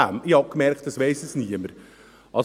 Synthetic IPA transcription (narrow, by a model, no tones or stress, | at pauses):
æ̰mihɑb̚kmɛɾkt̚d̥ɑsʋeɪsɛsniəməɾ | ʔɑls